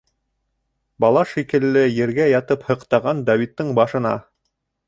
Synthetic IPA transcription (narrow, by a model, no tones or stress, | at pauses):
bɑlˠɑʃikɘ̆lːɘjɘ̆ɾɡæjɑt̪ɤphɤ̆qt̪ɑʁɑnd̪ɑwit̪ːɤɴbɑʃɤ̆nɑ